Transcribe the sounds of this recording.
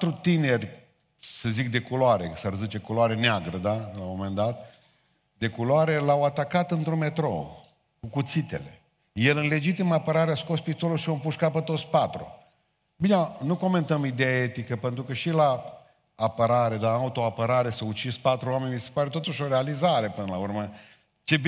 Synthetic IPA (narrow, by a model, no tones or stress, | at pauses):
t̪ɾut̪ine̞rʲ | səzik̚d̪e̞kuloaɾḛsərzit͡ʃekuloaɾe̞neaɡɾəd̪alawmo̞me̞nd̪at̪̚ | d̪e̞kuloaɾe̞lawat̪akat̪ɨnt̪ɾume̞t̪ɾo̞̰ | kukut̪sit̪e̞̰le̞̰ | jelɨnle̞d͡ʒit̪iməapəɾaɾeaskospit̪oluʃiompuʃkapət̪ːot̪spat̪ɾṵ | binenuko̞me̞nt̪əmid̪ejaet̪ikəpe̞nt̪ɾukəʃilaː | pəɾaɾe̞d̪aaut̪o̞apəɾaɾe̞səut͡ʃispat̪ɾuame̞nʲmise̥paɾe̞t̪o̞t̪uʃo̞ɾealizaɾe̞pɨnəlaurmə | t͡ʃe̞b